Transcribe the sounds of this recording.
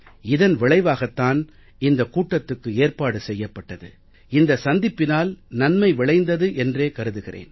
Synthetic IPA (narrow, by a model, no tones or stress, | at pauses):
ɪðɐnʋɪɭɐɪʋaːɣɐt̪ːaːn | ɪnd̪ɐkuːʈːɐt̪ːɯkːɯeːrpaːɽɯsɛjːɐpːɐʈːɐðɯ̰ | ɪnd̪ɐsɐnd̪ɪpːɪnaːlnɐnmɐɪʋɪɭɐɪnd̪ɐðɯʔɛndreːkɐɾɯðɯɣɪrḛːn